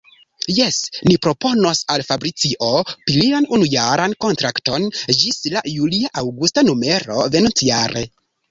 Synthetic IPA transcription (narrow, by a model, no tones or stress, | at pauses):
je̞snipɾo̞po̞nosalfabɾit͡siʔo̞pilianunujaɾanko̞ntɾakto̞nd͡ʒislajuliaʔawɡustanume̞ɾo̞̰ve̞nont͡sijaɾʔe̞̰